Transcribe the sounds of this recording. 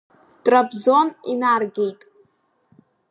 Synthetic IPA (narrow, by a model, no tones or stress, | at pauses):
tʼrapzo̞ninarɡʲejtʼ